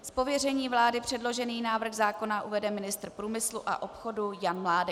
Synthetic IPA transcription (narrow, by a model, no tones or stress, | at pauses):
spo̞vjɛr̝ɛɲiːvlaːdɪpr̥ɛdlo̞ʒɛniːnaːvr̩xzaːko̞naʔuvɛdɛmɪnɪst̪r̩pɾuːmɪsluʔa̰ʔo̞pxo̞dujanmlaːdɛ